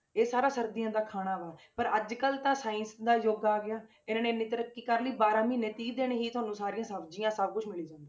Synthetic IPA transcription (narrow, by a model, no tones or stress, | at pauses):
eːsaːɾaːsəɾd̪ijãːd̪aːkʰaːɽ̃aːʋaːpəɾəd͡ʒkəlt̪ãːsaːɪ̃nsd̪aːjoːɡaːɡɪjaː | ɪnãːneːnːĩːt̪əɾəkːiːkəɾliːbaːɾãːmĩːneːt̪iːd̪eːɽ̃eːɦiːt̪ʊɦaːnũːsaːɾijãːsəbd͡ʒijãːsəb̚kʊt͡ʃʰmɪliːd͡ʒãːnd̪iː